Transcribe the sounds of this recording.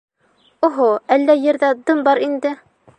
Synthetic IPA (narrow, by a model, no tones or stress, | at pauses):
oɦoælːæjɘ̆ɾðæd̪ɤmbɑɾind̪ɘ